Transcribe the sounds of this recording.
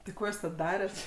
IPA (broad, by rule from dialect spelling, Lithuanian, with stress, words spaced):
tʲɪ ˈkoː juːs tɐt ˈdɑːrʲɛt